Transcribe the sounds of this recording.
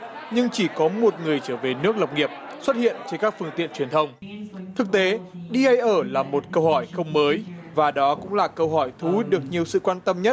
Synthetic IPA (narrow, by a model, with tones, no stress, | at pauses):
ɲɨ˧ŋt͡ɕi˧˩kɔ˨˦mo˨˩t̚ŋɨ˨˩əjt͡ɕəː˧˩ve˨˩nɨ˦˥ək̚lwk͡p̚ŋi˨˩əp̚swə˦˥t̚hḭ˧˨ənt͡ɕe˧nkaː˦˥k̚fɨ˧əŋt̪ḭ˧˨nt͡ɕwi˨˩ənt̪ʰə˧wŋ͡mt̪ʰɨ˨˩k̚t̪e˨˦ɗi˧ʔa˧jʔəː˧˩laː˨˩mo˨˩t̚kə˧whɔ˧˩jxə˧wŋ͡mməː˨˦jvaː˨˩ɗɔ˨˦kʊ̰˧˥ŋ͡mlaː˨˩kə˧wɦɔ˧˩jt̪ʰu˨˦ɗɨ˨˩ək̚ɲi˨˩əwsɨ̰˧˨kwaː˧nt̪ə˧mɲə˦˥t̚